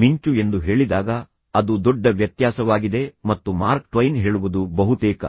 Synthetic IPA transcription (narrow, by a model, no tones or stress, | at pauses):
miɲt͡ʃue̞nd̪uɦe̞ːɭid̪aːɡɐ | ɐd̪ud̪ɔɖːɐʋjɐt̪jaːsɐʋaːɡid̪e̞mɐt̪ːumaːɾk̚ʈʋɐjnɦeːɭuʋud̪ubɐɦut̪ɛːkɐ̰